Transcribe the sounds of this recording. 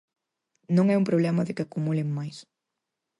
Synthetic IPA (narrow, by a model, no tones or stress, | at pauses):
nõŋɛumpɾoβlɛmɐðɪkɪakumulɪŋmːajs